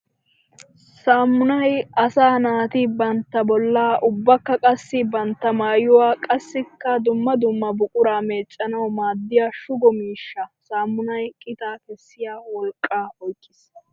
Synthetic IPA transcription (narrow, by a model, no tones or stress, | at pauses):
saːmːʊnɐjɐsaːnaːt̪ɪbɐnt̪ːɐbɔlːaːʔʊbːɐkːɐkʼɐsːɪbɐnt̪ːɐmaːjʊwaːkʼɐsːɪkːɐd̪ʊmːɐd̪ʊmːɐbʊkʼʊɾaːmeːt͡ʃʼːɐnɐwmaːd̪ːɪjaːʃʊɡɔmiːʃːɐsaːmːʊnɐjkʼɪt̪aːkɛsːɪjaːwɔlkʼːaːɔjkʼːɪsːɐ̥